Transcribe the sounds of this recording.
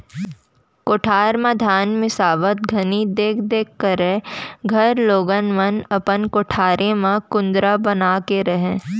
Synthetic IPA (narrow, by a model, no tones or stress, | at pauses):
koːʈʰaːɾmad̪ʱaːnmɪsaːʋət̪̚ɡʱɐnid̪eːkʰd̪eːkːəɾẽɡʱɐɾloːɡənʋənɐpənkoʈʰaːɾʔẽmãkʊ̃nd̪ɾabɐnaːkeɾɐɦẽː